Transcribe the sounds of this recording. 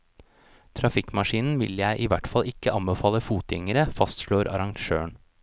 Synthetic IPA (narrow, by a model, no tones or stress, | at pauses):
t̪ʰɾɑfɪkmɑʃiːnn̩ʋɪ̰ljæɪʔiːʋæʈfɑlʔɪkːəʔɑmbəfɑːləfuːt̪jɪ̰ŋəɾəfɑst̪ʃloːɾɑ̰ɾɑŋʃøːɳ